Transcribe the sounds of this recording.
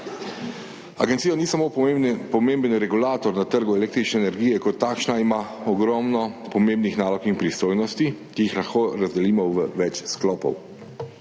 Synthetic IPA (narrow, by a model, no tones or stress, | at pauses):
a̰ɡɛnt̪sijɔniːsamoːpɔmembənɾɛɡulaːt̪ɔɾnat̪əɾɡuɛleːk̚t̪ɾit͡ʃnɛːnɛɾɡijɛkɔt̪ːaːkʃnaimaɔɡɾɔːmnɔpɔmẽmbnixnaːlɔkinpɾist̪oːjnɔst̪ikijixlaxkoɾazd̪ɛliːmɔʋəʋɛt͡ʃsklɔːpɔ̰w